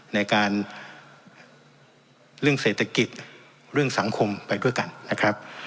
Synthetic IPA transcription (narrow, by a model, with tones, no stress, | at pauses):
na˧jkaː˧n | ɾɯ˥˩əŋseː˨˩t̪ʰːa˧ki˨˩t̪̚ | ɾɯ˥˩əŋsa˩˦ŋkʰo˧mpa˧jdu˥˩əjka˧nːa˦˥kʰɾa˦˥p̚